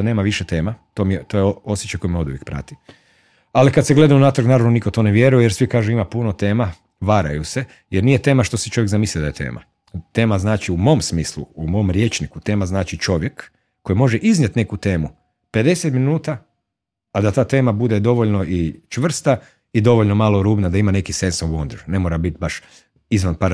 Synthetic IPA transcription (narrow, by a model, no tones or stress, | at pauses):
ne̞ːmaʋiʃet̪e̞ːmat̪o̞mijet̪ojeoo̞sjet͡ʃajko̞jmeo̞d̪uʋjek̚pɾa̰t̪i̥ | alikad̪seɡle̞d̪aunaːt̪ɾknaːɾaʋnonikot̪o̞neʋje̞ɾujejeɾsʋikaːʒuimapunot̪e̞ːma | ʋaɾa̰juse̞ | jeɾnijet̪e̞ːmaʃt̪o̞si̥t͡ʃo̞ʋjɡzamiːslʲiod̪ajet̪e̞̰ːmʔa̰ | t̪e̞ːmaznaːt͡ʃiumo̞msmiːslṵumo̞mɾje̞ːt͡ʃnikut̪e̞ːmaznaːt͡ʃit͡ʃo̞ʋje̞kː | o̞jimo̞ʒeʔiznɲjet̪ne̞kut̪e̞ːmu | pe̞d̪e̞set̪minuːt̪aː | d̪at̪aːt̪e̞ːmabud̪e̞d̪o̞ʋo̞ʎno̞ʔit͡ʃʋr̩st̪a | id̪o̞ʋoʎno̞maːlo̞ɾuːbnad̪aimane̞kisensaond̪ɾ̩ʒne̞moɾabit̪baʃ | izʋanpa